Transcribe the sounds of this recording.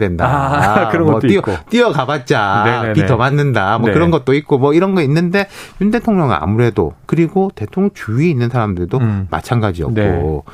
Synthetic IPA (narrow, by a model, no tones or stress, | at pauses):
dwe̞ndaɯɾʌnɡʌiʌt͈iʌkabat̚t͡ɕ͈apiʌmanːɯndamʌkɯɾʌnɡʌt̚t͈oik̚k͈omwʌiɾʌnɡʌinːɯnde̞junde̞tʰoŋɲʌŋɯna̰muɾe̞do̰kɯɾiɡote̞tʰoŋt͡ɕuiinːɯnsʰaɾamdɯɭdoma̰t͡ɕʰanɡad͡ʑiʌ̰kk͈o̰